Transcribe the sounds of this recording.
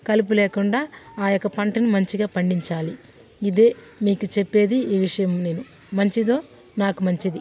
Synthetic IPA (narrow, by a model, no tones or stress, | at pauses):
kɐlup̬uleːkuɳɖaːaːjɔkːɐpɐɳʈɐnumɐɲt͡ʃiɡaːpɐɳɖiɲt͡ʃaːli | id̪e̞ːmiːkut͡ʃepːe̞ːd̪iiːʋiʂɐjɐmneːnu | mɐɲt͡ʃid̪o̞ː | naːkumɐɲt͡ʃid̪i